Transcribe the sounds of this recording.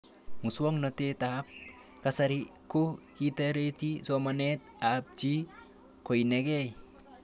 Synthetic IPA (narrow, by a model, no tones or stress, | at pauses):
muswɔŋnɔt̪et̪ap̚ | kasaɾikokit̪aɾet̪isɔmanet̪̚ | ap̚d͡ʒi | kʰojneɡej